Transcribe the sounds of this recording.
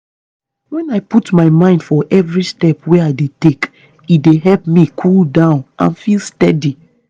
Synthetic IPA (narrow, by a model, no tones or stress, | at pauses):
wɛ̃naɪputmaɪmãɪ̃nd̥fɔʔɛvɹistɛpwɛaɪdetek | ideɦɛlpmikʰuldãʊ̃nʔã̰nfilˠstɛdi